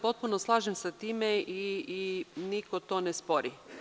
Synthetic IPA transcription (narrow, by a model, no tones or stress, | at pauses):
po̞t̪̚punoslˠaːʒemsat̪iːmeiinikot̪onespoɾi